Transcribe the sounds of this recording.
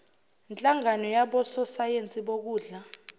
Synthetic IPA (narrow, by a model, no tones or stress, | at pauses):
nt͡ɬʼaŋanɔjaɓɔsɔsajent͡sʼiɓok̬uːɮa